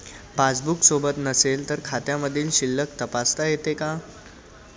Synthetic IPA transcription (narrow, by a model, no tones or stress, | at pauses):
pat͡sbuksobət̪nəselt̪əɾkʰat̪jãməd̪ʱiːlɕilːək̚t̪əpast̪ajet̪eka